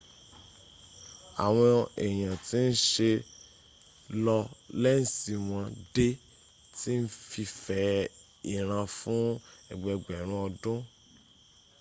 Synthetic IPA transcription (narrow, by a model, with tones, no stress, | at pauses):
a̰˨w̃ɔ̃˧ɛ˨j̃ã˨ti˦n̩˦ʃe˧ | lɔ˧lɛ˦n̩˨si˨w̃ɔ̃˧de˦ | ti˦n̩˦fi˧fɛ˦ | i˨ɾ̃ã˧fũ˦ɛ˨ɡ͡bɛ˧ɡ͡bɛ˨ɾ̃ũ˧˦ɔ˧dũ˦